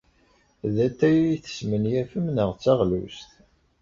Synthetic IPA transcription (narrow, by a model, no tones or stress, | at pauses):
ðæt̪ːæjθə̥smənjæfəmnəʁt͡sːæʁlṵst̪